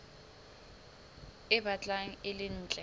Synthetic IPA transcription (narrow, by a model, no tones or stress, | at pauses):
ɪbat͡ɬʼaŋ̩ɪlɪn̩ːt͡ɬʼɛ